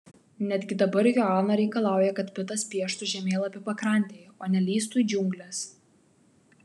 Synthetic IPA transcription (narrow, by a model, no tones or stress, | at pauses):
nʲɛd̪ʲɡʲɪd̪ɐbɐɾjoɑːnɐɾʲɛɪkɐlˠɑˑʊjɛkɐt̪pʲɪt̪ɐspʲiɛʃt̪ʊʒʲɛmʲeːlˠɐpʲɪpɐkɾɐˑnʲt̪ʲeːjoːnʲɛlʲiːst̪uːid͡ʒʲʊŋʲɡlʲɛs